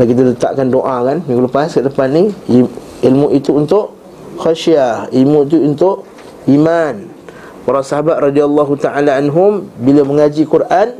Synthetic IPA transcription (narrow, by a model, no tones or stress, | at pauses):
lakit̪alət̪a̰ʔkandoʔakanmiɡuləpaskadəpanni | ilmuʔit̪uunt̪ʊʔ | xaʃiailmũit̪̬uunt̪ʊʔ | iman | puɾasaɦabat̪̚ɾɑdialːaɦut̪aʔalaanɦʊmbiləməŋad͡ʒikurʔan